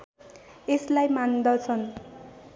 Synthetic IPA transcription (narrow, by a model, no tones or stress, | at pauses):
eslajmand̪ʌt͡sʰʌn